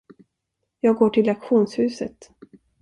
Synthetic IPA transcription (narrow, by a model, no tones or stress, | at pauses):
jɑːɡoːʈʰɪlakɧuːnshʉ̟ːsə̰t̪